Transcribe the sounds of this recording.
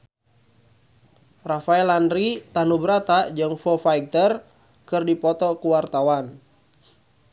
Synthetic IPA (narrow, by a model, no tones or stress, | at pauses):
rafaɛlanɾit̪anubɾat̪ad͡ʒɨŋfɔfaik̚t̪ər | kɨrdipɔt̪ɔkuwart̪awan